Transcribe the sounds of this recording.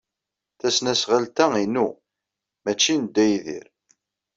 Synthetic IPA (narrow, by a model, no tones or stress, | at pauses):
θæsnæsʁalt̪æinu | mæt͡ʃːinəd̪ːæjðḭɾ